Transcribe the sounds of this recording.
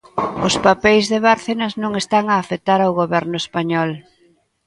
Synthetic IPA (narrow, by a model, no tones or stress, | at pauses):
ʊspapejzðeβaɾθenɐznõŋest̪aŋaːfet̪aɾawɣoβɛɾnʊespaɲɔl